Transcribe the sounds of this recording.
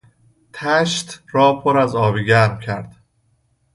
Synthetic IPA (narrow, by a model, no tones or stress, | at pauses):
t̪ʰæʃt̪ɾɒːpʰoɾæzɒːbiːɟæɾmcʰæɾd̪̥